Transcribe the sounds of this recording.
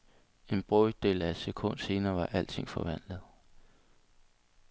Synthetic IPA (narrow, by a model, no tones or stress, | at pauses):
e̝nb̥ʁɔd̥e̝̰ːlæd̥sekʰɔ̽n̰d̥se̝ːnɐːʋɑ̈ʔæl̰t͡sʰe̝ŋ̰fɒ̽ʋæn̰lð̩ˠ